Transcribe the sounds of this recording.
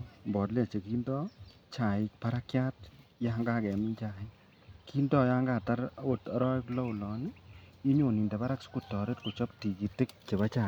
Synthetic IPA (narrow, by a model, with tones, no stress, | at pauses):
mbɔː˨dla˨t͡ʃe˨ki˦ndɔ˦ | t͡ʃaː˨ik̚paɾakjaːt̚jaŋɡaː˦kɛ˨mi˦ɲt͡ʃa˨i | ki˦ndɔː˦jaŋɡaː˨taɾotɾɔː˦klɔ˦wlɔ˨nii˦ɲo˨ni˨nda˨ba˦ɾakskutːɔ˨ɾetku˨t͡ʃɔp̚ti˨ki˨tːɪ˦k̚t͡ʃe˨ba˦t͡ʃaː